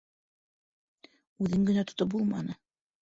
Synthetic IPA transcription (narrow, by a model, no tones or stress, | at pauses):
ʉðɘŋɡɘ̆næt̪ŏ̥t̪op̚bulˠmɑ̰nɤ